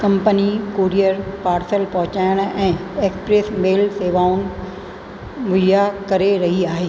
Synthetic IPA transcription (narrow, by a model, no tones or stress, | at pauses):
kɐ̃mpənikoːɾijəɾpaːɾsəlpɐ̃ɦʊ̃t͡ɕaːjəɽ̃ɛ̃ːeːkspɾeːsmeːlseːʋaːun | ʋʊljakɐɾeɾɐɦiaːɦeː